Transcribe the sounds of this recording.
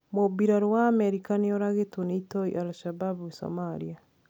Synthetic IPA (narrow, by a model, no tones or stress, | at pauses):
mobiɾaɾwaːmɛɾikaneoɾaɣetonitoḭʔalʃababwiso̰maɾia